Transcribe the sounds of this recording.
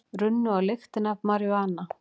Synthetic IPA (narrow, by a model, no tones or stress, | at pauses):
ɾʏnːʏawlext̪ɪnavmaɾjʏaːna